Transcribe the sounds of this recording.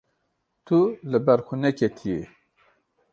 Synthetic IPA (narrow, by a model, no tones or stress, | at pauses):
t̪ʰulɨbɛɾxunɛkʰet̪ʰije